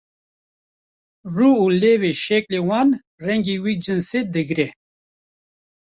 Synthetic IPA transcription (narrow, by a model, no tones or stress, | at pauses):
ruuleːweʃeklewaːn | ɾeŋɡiwik̚d͡ʑinsed̪əɡɾe